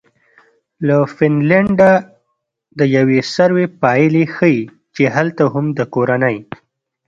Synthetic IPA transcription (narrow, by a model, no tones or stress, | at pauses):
lafɪnlaɳɖa | d̪əjawesaɾwepɑjlexəji | t͡ʃeɦalt̪aɦʊmd̪əkoɾanəj